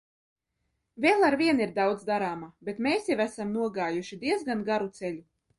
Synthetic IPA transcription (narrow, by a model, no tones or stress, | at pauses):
velˠaɾvʲiɛniɾd̪awd̪zd̪aɾaːmabet̪meːsjavæsamnuɔɡaːjuʃid̪iɛzɡanɡaɾut̪sɛlʲu